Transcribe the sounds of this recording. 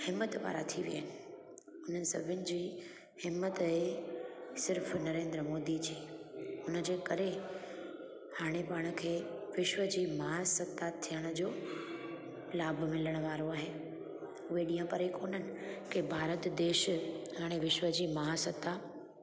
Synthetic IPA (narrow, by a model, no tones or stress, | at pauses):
hɪmːət̪ʋa̰ːɾat̪ʰiʋḭa̰ːɪnɪ̆ | ʊn̤ənɪ̆sɐ̰bʱɪnɪ̆d͡ʑiː | hɪmːət̪ɦe | sɪɾfnɐɾẽːnd̪ɾəmoːd̪id͡ʑiːʊnəd͡ʑeːkɐɾe | haːɽ̃epaɽ̃ə̆kʰeːʋɪʃwəd͡ʑiːmɐɦasɐt̪ːat̪ʰijəɽ̃əd͡ʑoː | laːbʱʊmɪləɽ̃əʋaːɾoaːɦeː | ʊɦeɗĩːə̃pɐɾikoːn̤ənɪ̆kɪbʱaːɾət̪d̪eːʃɦaːɽ̃eʋɪʃwəd͡ʑiːmɐɦasət̪ːa